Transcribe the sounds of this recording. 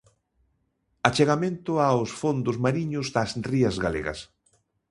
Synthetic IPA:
at͡ʃeɣamẽnt̪ʊaʊsfond̪ʊzmaɾiɲʊzðɐsriɐzɣalḛɣɐ̰s

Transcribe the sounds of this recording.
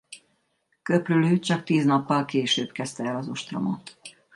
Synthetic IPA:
køpryløːt͡ʃɒkt̪iːznɒpːɒlkeːʃøːbkɛst̪ɛɛlɒzo̞ʃt̪rɒ̰mo̰t̪

